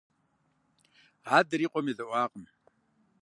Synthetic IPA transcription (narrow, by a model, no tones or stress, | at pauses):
aːdɨɾiːqʷʼɔmiːzɐʔʷɑːqʼəm